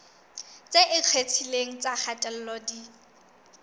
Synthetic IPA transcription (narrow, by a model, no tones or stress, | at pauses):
t͡sʼeʔɪq͡χʰwet͡sʰileŋ̩t͡sʼak͡xʰatʼɛl̩lɔdi